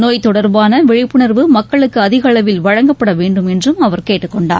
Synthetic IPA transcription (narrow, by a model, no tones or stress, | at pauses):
noːjt̪ɔɽɐɾbaːnɐʋɛɻɪpːɯɳɐɾʋɯmɐkːɐɭɯkːɯɐðɪɣɐɭɐʋɪlʋɐɻɐŋɡɐpːɐɽɐʋeːɳɖɯmɛndrɯmɐʋɐɾkeːʈːɯkːɔɳɖa̰ː